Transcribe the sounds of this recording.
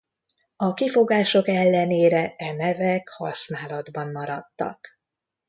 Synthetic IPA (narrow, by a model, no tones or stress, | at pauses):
ɒkifo̞ɡaːʃo̞kɛlːɛneːɾɛɛnɛvɛkhɒ̰snaːlɒd̪bɒmːɒɾɒt̪ːɒ̰k